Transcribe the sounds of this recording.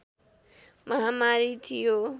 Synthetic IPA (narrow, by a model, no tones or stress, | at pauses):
mʌɦamaɾit̪ʰijo